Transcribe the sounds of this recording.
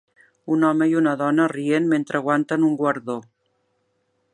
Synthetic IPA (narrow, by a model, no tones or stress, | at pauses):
unɔmeiunaðɔnərienment̪ɾaɣwant̪anuŋɡwaɾðo